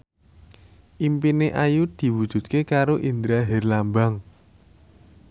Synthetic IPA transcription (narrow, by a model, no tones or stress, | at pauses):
ʔimpineʔajud̪̥i̤wud̥ʒ̥ṳt̪̚kekaɾoʔind̪ɾaɦɛrlambaŋ